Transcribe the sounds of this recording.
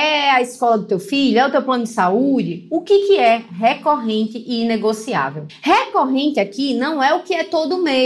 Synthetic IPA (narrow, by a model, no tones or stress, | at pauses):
ɛɐiskɔlɐd̪ʊt̪ewfiʎʊɛʊt̪ewplɐ̃nʊd̪ɪsaud͡ʒɪʊkɪkɪɛɦekoɦẽnt̪ɪʔiineɡosia̰vewhekoɦẽnt̪ɪakinɐ̃w̃ɛʊkɪɛt̪od̪ʊme